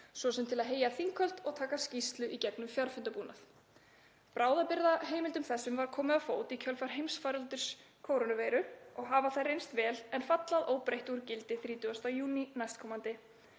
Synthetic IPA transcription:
svɔsɛmt̪ʰɪlaðɦeːjaθiŋkʰœl̥t̪ɔɣt̪ʰaːkascist̪lʏʔicɛknʏmfjaɾ̥fʏnt̪apuːnaθ | pɾaːwðapɪɾðaɦeːjmɪlt̪ʏmθɛsːʏmvaɾ̥kʰɔːmɪafoːwt̪icʰœlfaɾ̥ɦejmsfaɾʏlt̪ʏ̥s | kʰoːwɾonʏveːjɾʏɔɣɦaːvaθajrejnst̪vɛːlɛnfat̪laðoːwpɾejht̪uɾcɪlt̪ɪθɾiːt̪ʏɣast̪ajuːninajst̪̚kʰɔːmant̪ɪ

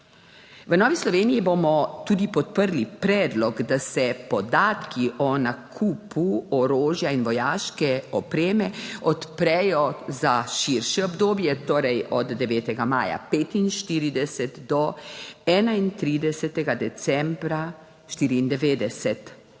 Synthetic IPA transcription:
ʋənɔːʋislɔʋeːnijiboːmɔt̪uːd̪ipɔt̪̚pəɾlipɾɛːd̪lɔɡd̪asɛpɔd̪aːt̪kʰiʔɔnakʰuːpʰuɔɾoːʒjainʋɔjaːʃkɛɔpɾeːmɛɔt̪pɾɛjɔzaʃiɾʃɛɔbd̪oːbjɛt̪oːɾɛjɔd̪d̪ɛʋɛːt̪ɛɡamaːja̰peːt̪inʃt̪iːɾid̪ɛsɛt̪d̪ɔɛːnaint̪ɾiːd̪ɛsɛt̪ɛɡad̪ɛt̪sɛmbɾa | ʃt̪iːɾiːnd̪ɛʋeːd̪ɛsɛt̪

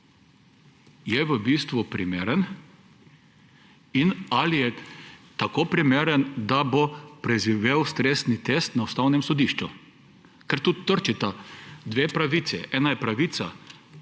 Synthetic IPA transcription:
jɛʋəbiːst̪ʋupɾimeːɾən | inalijɛt̪akoːpɾimeːɾənd̪abopɾɛʒiʋeːwst̪ɾesnit̪est̪naust̪awnɛmsɔd̪iːʃt͡ʃu | kɛɾt̪ut̪ːəɾt͡ʃit̪ad̪ʋeːpɾaʋiːt̪sɛ̰ʔɛːnajɛpɾaʋiːt̪sa

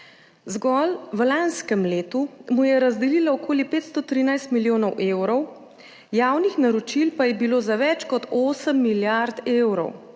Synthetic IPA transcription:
zɡɔlʋlanskəmleːt̪umujɛɾazd̪ɛliːlaɔkoːlipeːt̪st̪ɔt̪ɾiːnajst̪miljoːnɔwʔewɾɔw | jaːwnixnaɾɔt͡ʃilpajɛbiloːzaʋɛt͡ʃkɔt̪oːsəmːiljaɾt̪eːwɾɔ̰w

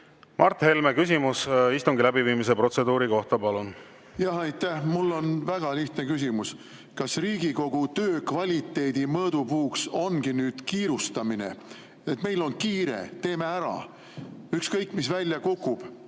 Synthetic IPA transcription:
mʔɑrt̪he̞lmekysimusist̪uŋɡilæbiviːmis̬epro̞t̪se̞d̪uːɾiko̞ht̪ɑpɑlun | jɑɦɑjt̪ːæhmulːo̞nvæɡ̥ɑliht̪ne̞kys̬ʲimus | kɑsriːɡiko̞ɡ̥ut̪ø̞ːkvɑlʲit̪ːˑe̞ːd̪̥imɤːd̪̥upuːkso̞nɡ̥inyːd̪̥kiːɾust̪ɑmine̞̰ | et̪me̞jlo̞nkiːɾe̞̰t̪e̞ːme̞æɾɑ̰ | ykskɤjkːˑmisvælʲjɑkukːˑub̥

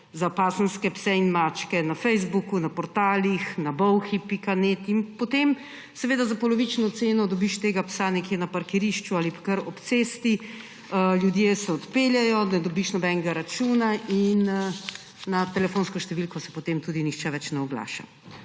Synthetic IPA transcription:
zapaːsənskɛpsɛinmat͡ʃkɛnafɛjzbukunapɔɾt̪aːlixnabɔwxipikaneːt̪inpɔt̪em | sɛʋeːd̪azapɔlɔʋit͡ʃnɔt̪seːnɔd̪ɔbiʃt̪eːɡapsanɛkjeːnapaɾkɛɾiʃt͡ʃualipḁkəɾɔpt̪seːst̪i | əljud̪jesɛɔt̪peːljɛjɔnɛd̪ɔbiʃnɔbɛnɛɡaɾat͡ʃuːnainː | at̪ɛlɛfoːnskɔʃt̪ɛʋilkɔsɛ̥pot̪emt̪uːd̪inixt͡ʃɛʋɛt͡ʃnɛɔɡla̰ːʃa̰

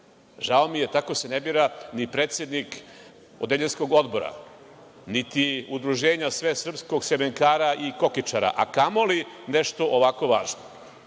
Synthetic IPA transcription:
ʒaomije̞t̪ako̞senebiɾanipɾeːt̪sjed̪nik | od̪eʎensko̞ɡo̞d̪bo̞ɾa̰ | nit̪iud̪ɾuʒe̞ːɲasʋesr̩psko̞ɡsemeŋkaːɾaʔiko̞kit͡ʃaɾa̰ʔa̰kamo̞lineʃt̪o̞ʔoʋako̞ʋaːʒno

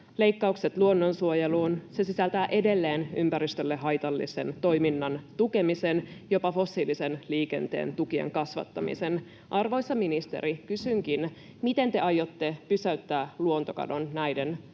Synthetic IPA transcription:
le̞ikːɑukse̞t̪luo̞nːo̞nsuojeluːnse̞sisælt̪æːʔe̞de̞lːe̞ːnympæɾist̪ølːeɦɑjt̪ɑlːḭse̞̰nt̪o̞jminːɑnt̪uke̞mise̞njo̞pɑfo̞sːiːlisenliːke̞̰nt̪ḛːnt̪ukiḛŋkɑsʋɑ̰t̪ːɑmḭse̞n | ʔɑrʋo̞jsːɑminist̪e̞̰ɾikysyŋk̟in | mit̪e̞nt̪e̞ʔɑjo̞t̪ːe̞pysæyt̪ːæːluont̪o̞kɑ̰do̞nːæjden

